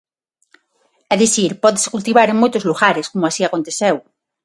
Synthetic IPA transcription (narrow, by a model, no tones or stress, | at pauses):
ɛðiθiɾpɔðese̥kult̪iβaɾeŋmojt̪ozluɣaɾeskomʊasiakont̪eθew